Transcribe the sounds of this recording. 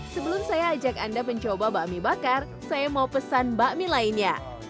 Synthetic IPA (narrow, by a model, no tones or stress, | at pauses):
səbəlʊmsajaːd͡ʒakandapəɲt͡ʃobabaʔmibakar | sajamaupəsanbaʔmilainɲa̰